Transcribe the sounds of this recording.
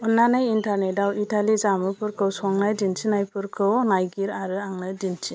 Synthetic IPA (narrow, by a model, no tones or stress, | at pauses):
unːanajintaɾnedawitalizamɯpɯɾkʰɯwsɔŋnajdint͡ʃʰinajpʰɯɾkʰɯwnajɡiɾaɾɯaŋnadint͡ʃʰi